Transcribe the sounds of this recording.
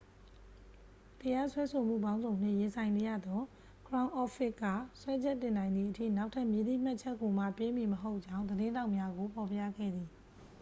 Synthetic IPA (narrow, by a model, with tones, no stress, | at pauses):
t̪əja˦swɛ˦so˨m̥ṵ˦˨bã˦ʊ̃nzõ˨ʊ̃n̥ɪ̰̃˦˨jɪ̃˨sʰã˨ɪ̃ne˨jä̰˦˨d̪ɔ˦ | kʰɹã˦ʊ̃ʔɔ˦fʰɪ˦kːa̰˦˨swɛ˦d͡ʑɛ˦tːɪ̃˨nã˨ɪ̃nd̪ði˨ʔətʰḭ˦˨na˦ʊʔtʰa˦ʔmji˦d̪ḭ˦˨m̥a˦ʔt͡ɕʰɛ˦kːo˨ma̰˦˨pe˦mi˨məɦo˦ʊʔt͡ɕã˦ʊ̃nd̪əɾɪ̃˦nda˦ʊʔmja˦ɡo˨pʰɔ˨pja̰˦˨ɡɛ̰˦˨d̪ði˨